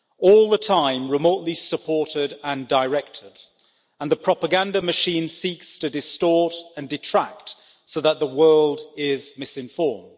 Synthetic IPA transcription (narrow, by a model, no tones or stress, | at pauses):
ɔlˠðətʰãɪ̃mɹɨmoʊʔˡlisəpʰɔɹɾɪɾə̃ndəɪɹɛk̚tʰɪd | ə̃nðəpʰɹ̥ɑpəɡæ̃ndəmɨʃĩnsikstʰɨdɨstɔɹɾɨ̃ndɨtʰɹ̥æk̚t | soʊðət̪̚ðəwɜ˞lˠdɪzmɪsɨ̃ɱfɔɹmd̥